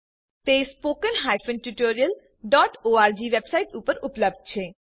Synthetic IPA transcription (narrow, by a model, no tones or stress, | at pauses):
t̪espokenɦajfʰenʈuʈoɾial | ɖɔʈoaɾd͡ʑiʋebsajʈupoɾuplob̚d̪̚t͡ɕʰe